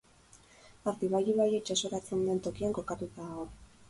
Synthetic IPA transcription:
aɾt̪iβajiβajet͡ʃaso̞ɾat͡send̪ent̪o̞kiaŋko̞kat̪ut̪aɣo̞

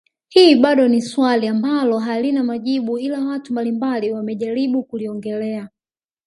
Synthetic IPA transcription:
hiːɓaɗɔniswaliambalɔɦalinamaʄiɓuilawatumbalimbaliwamɛʄaɾiɓukuliɔŋɡɛlɛa

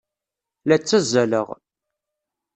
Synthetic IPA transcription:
læt͡sːæzælə̰ʁ

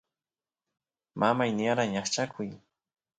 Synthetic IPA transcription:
mʔamajnɪjaɾaɲaχt͡ʃakʰʊj

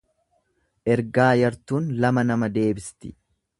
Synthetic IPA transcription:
ʔɛɾɡaːjɐɾt̪uːnlɐmɐnɐmɐd̪e̞ːbɪst̪ɪ̥

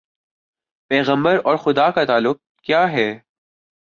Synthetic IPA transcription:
pɛːɣə̃mbəɾɔːɾxʊd̪akat̪aːlːʊk̚ | kjaːɦɛː

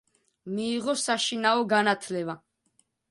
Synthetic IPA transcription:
miːʁɔsaʃinaɔɡanat̪ʰlɛva

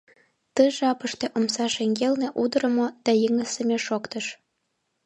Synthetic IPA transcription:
t̪əʒɑpəʃt̪eʔomsɑʃeŋɡelneʔud̪əɾə̆mod̪̥ɑjəŋəsə̆mʲeʃokt̪əʃ

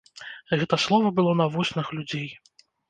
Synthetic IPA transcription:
ɣɛt̪ɐslˠɔvɐbɨlˠɔnɐvɔsʲnɨxlʲud͡zʲej

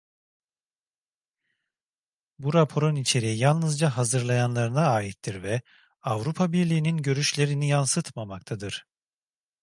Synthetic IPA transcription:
buɾapʰoɾonit͡ʃʰe̞ɾiijalˠnɯzd͡ʒaɦazɯɾlˠajanlˠaɾɯnaːjit̪ʰːiɾvɛ | avɾupʰabiɾlʲiːninɟø̞ɾyʃlʲe̞ɾinijansɯt̪mamak̚t̪ʰad̪ɯɾ̥

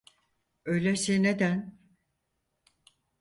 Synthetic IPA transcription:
øjlʲesined̪æn

